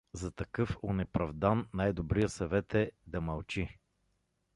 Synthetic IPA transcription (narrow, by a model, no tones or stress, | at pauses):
zɐt̪ɐkɤfʊnɛpɾɐvd̪anːajd̪obɾijəsɐvɛt̪ɛd̪ɐmɐlˠt͡ʃi